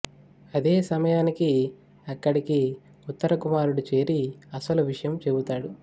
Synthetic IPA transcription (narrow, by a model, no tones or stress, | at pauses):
ɐd̪e̞ːsɐmɐjaːniki | ɐkːɐɽiki | ut̪ːɐɾɐkumaːɾuɽut͡ʃe̞ːɾiɐsɐluʋiʂɐjɐmt͡ʃe̞but̪aːɽu